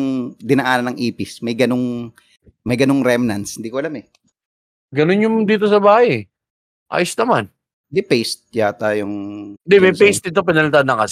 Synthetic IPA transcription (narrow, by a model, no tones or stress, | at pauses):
ŋd̪ɪnɐʔaːnɐnɐŋʔiːpɪsmɐjɡɐno̞ŋ | mɐjɡɐnoŋɾɛmnɐnsɪnd̪iːkoʔɐlamɛ | ɡɐnonjʊŋd̪iːt̪̬os̬ɐbaːhɐjɛ | ʔa̰ːjosnɐman | d̪ɪpejst̪̚jat̪aːjoŋd̪ɪmɐjpejst̪ɪt̪̬op̬ɪnɐlɪt̪aanːɐŋkɐs